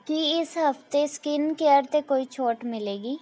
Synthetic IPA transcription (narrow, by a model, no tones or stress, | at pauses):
kiɪsɦəft̪eskɪnkeəɾt̪ekoːit͡ʃʰoːʈmɪleːɡiː